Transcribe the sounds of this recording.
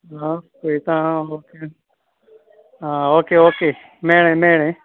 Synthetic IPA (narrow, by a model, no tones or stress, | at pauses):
ãskoit̪ãːɦoːkeː | ɦãːoːkeːoːkeː | meːɽẽːmeːɽẽː